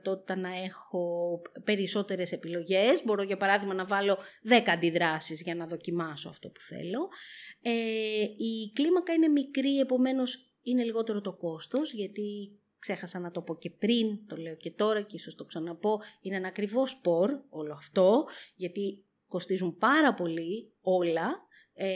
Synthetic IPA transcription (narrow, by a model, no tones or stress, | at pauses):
t̪o̞t̪i̥t̪ɐnɐe̞xo̞pe̞ɾiso̞t̪e̞ɾe̞se̞pilo̞ʝe̞zbo̞ɾo̞ʝɐpɐɾɐðiɣmɐnɐvɐlo̞ðekɐnd̪iðɾɐsizʝɐnɐðo̞cimɐso̞ɐ̰ft̪o̞pu̥θḛlo̞eiklimɐkɐine̞mikɾie̞po̞me̞no̞s | ine̞liɣo̞t̪e̞ɾo̞t̪o̞ko̞st̪o̞zʝɐt̪i | kse̞xɐsɐnɐt̪o̞po̞ce̞pɾint̪o̞le̞oce̞t̪o̞ɾɐceiso̞st̪oksɐnɐpo̞ineenɐːkɾivo̞spo̞ɾo̞loɐft̪o̞ʝɐt̪i | ko̞st̪izumpɐɾɐpo̞li | o̞lɐ